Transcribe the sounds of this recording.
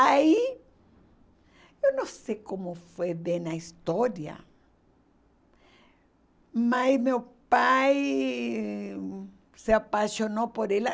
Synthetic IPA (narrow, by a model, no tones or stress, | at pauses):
ai | ewnõsejkomofweðenaist̪oɾjɐ̰ | masmewpaj | seapasjonopoɾela